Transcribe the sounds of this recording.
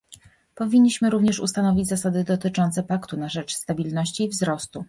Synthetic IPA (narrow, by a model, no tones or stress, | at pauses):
pɔvʲiɲʲːiɕmɘɾuvɲɛʂṵst̪anɔvʲid͡ʑʲzasad̪ɘd̪ɔt̪ɘt͡ʂɔnt̪sɛpakt̪unaʐɛt͡ʂst̪abʲilnɔɕt͡ɕiːvzɾɔst̪u